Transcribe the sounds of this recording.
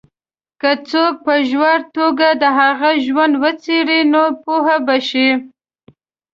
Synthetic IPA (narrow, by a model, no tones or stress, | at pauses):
kət͡sok̚pəʒwaɾt̪oɡad̪əɦaɣaʒwand̪wət͡seɾinopuɦabaʃi